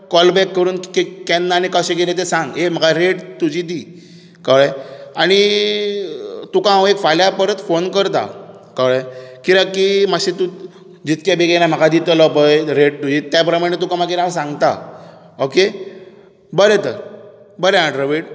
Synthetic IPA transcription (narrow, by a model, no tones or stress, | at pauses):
kɔlbɛkːəɾuːnkekɛnːaːnikəɕẽkelet̪̬esãŋɡɦem̤əkaɾeʈt̪ud͡ʑid̪i | kəɭəjaɽ̃i | t̪ukããʋekfaljapəɾət̪fonkəɾt̪a̰ | kəɭəkiɾãkiməɕit̪ũ | d͡ʑit̪kjabeɡelam̤əkad̪it̪əlɔpəjɾeʈ̚t̪ud͡ʑit̪japɾəmaɽ̃et̪̬ukamaɡiɾãsãŋɡt̪a̰ | oke | bəɾet̪əɾ | bəɾeãɖɾəʋeʈ